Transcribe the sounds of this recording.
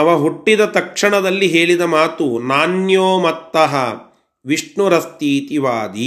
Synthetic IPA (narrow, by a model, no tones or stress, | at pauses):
ɐʋɐɦuʈːid̪ɐt̪ɐkʂɐɳɐd̪ɐlːiɦeːɭid̪ɐmaːt̪unaːnjoːmɐt̪ːɐɦɐ | ʋiʂɳuɾɐst̪iːt̪iʋaːd̪i